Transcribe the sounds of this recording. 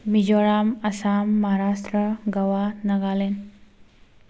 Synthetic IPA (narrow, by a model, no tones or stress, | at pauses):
mid͡ʒɔɾamɐsamːʌɦaɾastɾəɡawanaɡalen